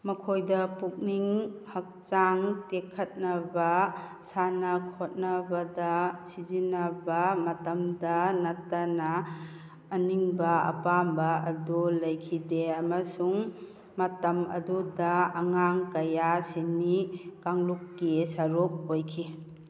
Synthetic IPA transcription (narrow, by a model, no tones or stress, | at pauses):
mɐkʰojdɐpuk̚niŋhɐk̚t͡ʃaŋtekʰːɐt̚nɐbɐ | sanɐkʰot̚nɐbɐdɐsizinɐbɐmɐtɐmdɐnɐtːɐnaː | niŋbɐɐ̰pambɐɐdulɐjkʰideɐmɐsuŋ | mɐtɐmɐ̰dudɐɐŋaŋkɐjasinikaŋlukːisaɾuk̚ojkʰi